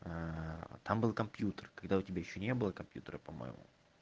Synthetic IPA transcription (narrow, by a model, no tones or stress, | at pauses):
at̪ʰambɨlˠkɐmpʲjut̪ərkɐɡd̪aʊtʲɪbʲajɪɕːonʲe̞bɨlˠəkɐmpʲjṵt̪əɾəpɐmo̰jɪ̰mṵ